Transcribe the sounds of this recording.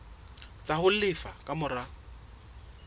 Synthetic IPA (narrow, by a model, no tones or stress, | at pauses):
t͡sʼahʊlɪfakʼamʊra